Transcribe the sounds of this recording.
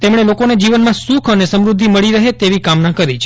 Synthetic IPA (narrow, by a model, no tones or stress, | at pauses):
t̪emɽ̃elokoned͡ʒiʋənmãsukʰənesəmɾud̪ʱːiməɭiɾəɦet̪eʋikamnãkəɾit͡ʃʰ